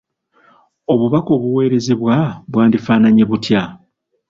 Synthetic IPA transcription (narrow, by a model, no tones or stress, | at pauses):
o̞βuβako̞βuwe̞ːɾe̞zeβwaβwaːndifaːnaɲe̞βutja